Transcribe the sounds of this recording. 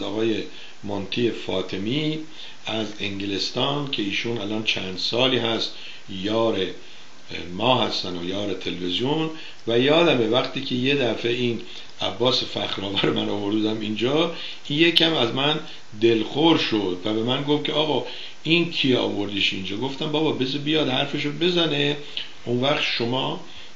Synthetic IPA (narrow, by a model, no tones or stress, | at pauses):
ɒːɣɒːje̞ | mont̪ʰiːefɒːt̪ʰemi | æzeŋɟele̞st̪ɒːncʰe̞iːʃunælɒːnt͡ʃʰænd̪̥sɒːliːɦæst̪ | jɒːɾe | mɒːɦæst̪ænojɒːɾe̞t̪ʰe̞lvezijon | væjɒːd̪æme̞væχt̪ʰiːcʰeje̞d̪æfe̞in | ʔæbːɒːsefæxɾɒːvæɾomænɒːvo̞ɾd̪ud̪æmind͡ʒɒ | injecʰæmæzmæn | d̪e̞lxoɾʃod̪væbe̞mænɡofcʲʰeɒːɣɒː | inkʰiɒ̰ːvo̞ɾd̪iːʃind͡ʒɒːɡo̞ft̪æmbɒːbɒbezbijɒd̪hæɾfeʃobe̞zæne̞ | ʔonvæχt̪ʃo̞mɒː